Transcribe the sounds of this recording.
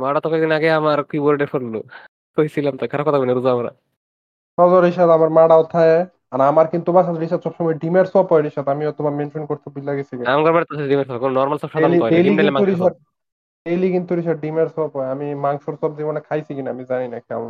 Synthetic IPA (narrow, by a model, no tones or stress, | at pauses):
maɽat̪ɔkɛk̚d̪inaɡeamaɾkiboɾɖefʰoɾnu | k̪ojsʰilamt̪ɔkʰaɾap̚kɔt̪ʰakɔinaɾuzaamaɾa̰ | ʃɔzɔɾiʃad̪amaɾmaɽaɔt̪ʰae | anamaɾkint̪ubaʃaɾiʃab̚sʰɔbʃɔmɔjɖimeɾsɔpɔjɾiʃad̪amiɔt̪ʰobamenʈɾenkoɾt̪ʰubilaɡisʰikinamɡɔɾmaɽet̪ɔsaɖimeɾsɔpakononɔɾmalsɔbʃad̪nliɔelimeilemaŋuɾiʃa | elikint̪uɾiʃ̬aɖimaɾsɔpɔjeamimaŋʃoɾsɔbzibɔnekʰajsʰikinaamizaninakʰia̰ma